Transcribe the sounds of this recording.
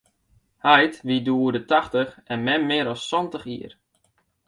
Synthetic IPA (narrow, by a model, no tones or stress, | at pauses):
hajtʋiduːərdətaxtəxɛnmɛmmɪːəɾɔsːɔntəxḭər